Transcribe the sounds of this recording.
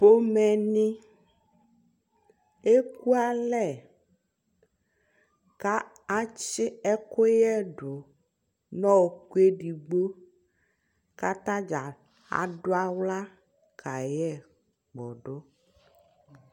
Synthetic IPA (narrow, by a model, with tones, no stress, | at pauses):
po˦mɛ̃˨nĩ˦ | e˦k̚u˦a˦lɛ˨ | ka˦ | a˦t͡ʃɪ˦ɛ˦ko˦jɛ˦ɖʊ˨ | nɔ̃˦wo˨ku˦e˦ɖi˨ɡ͡bo˦ | ka˦t̪ã˦d͡ʒa˨ | a̰˨ɖo˦a˦wla˦ | kʰa˨jɛ˦˨ | ɡ͡bɔ˨ɖo˦